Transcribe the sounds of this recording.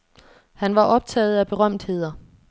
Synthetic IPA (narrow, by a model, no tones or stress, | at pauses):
hænʋɑ̈ʔɒ̽b̥̚t͡sʰɛ̰ːð̩ˠæb̥e̝ʁɶm̰d̥he̝ð̞̰ˠɐ